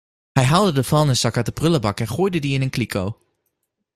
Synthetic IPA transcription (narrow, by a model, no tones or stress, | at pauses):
hɛjɦaːlˠdədəvɑlˠnəsɑkatdəprɵləbɑkɛnχoːjdədiɪnənklikʰow